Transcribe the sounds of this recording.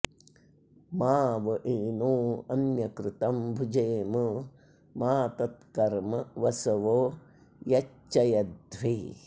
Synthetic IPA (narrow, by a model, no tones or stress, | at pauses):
maːʋɐʔeːnoːɐnjɐkɾɪt̪ɐmbʱud͡ʒeːmɐ | maːt̪ɐt̪kɐɾmɐʋɐsɐʋoː | jɐ | ɐjɐd̪ʋi